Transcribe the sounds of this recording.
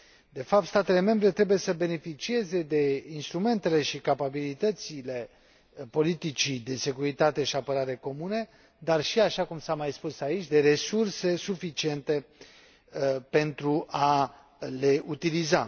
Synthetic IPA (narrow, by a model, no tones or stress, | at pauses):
d̪e̞fap̚t̪st̪at̪e̞le̞me̞mbɾe̞t̪ɾe̞buje̞səbe̞ne̞fit͡ʃie̞ze̞d̪e̞inst̪ɾume̞nt̪e̞le̞ʃikapabilit̪ət̪sile̞ | po̞lit̪it͡ʃid̪e̞se̞kuɾit̪at̪e̞ʃiapəɾaɾe̞ko̞mune̞ | d̪arʃiaʃakumsamajspusait͡ʃʲd̪e̞ɾe̞surse̞sufit͡ʃie̞nt̪e̞ | pe̞nt̪ɾuʔa | le̞ʔut̪iliza̰